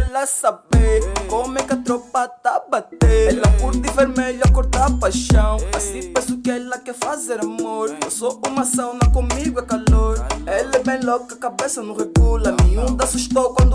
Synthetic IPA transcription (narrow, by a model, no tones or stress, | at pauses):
lasabeɾkõmʊɛkat̪ɾɔpat̪abat̪eelakuɾd̪ɪveɾmeʎʊakoɾt̪aɾpajʃɐ̃w̃asĩpẽsʊkɪɛlakɛfazeɾamoɾewsoũmasɐwnɐkomiɡʊɛkaloɾelɪbẽj̃lɔkakabesɐnʊheɡulɐnĩɲũd̪asuʃt̪owkwɐ̃nd̪ʊ